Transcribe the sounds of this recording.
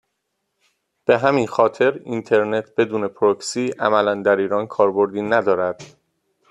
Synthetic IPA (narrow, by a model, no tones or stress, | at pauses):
b̥e̞ɦæminxɒːt̪ʰe̞ɾint̪ʰe̞ɾne̞t̪ʰb̥e̞d̪uːne̞pʰɾoksiːʔæmælænd̪æɾiːɾɒːnkʰɒːɾbo̞ɾd̪iːnæd̪ɒːɾæd̪̥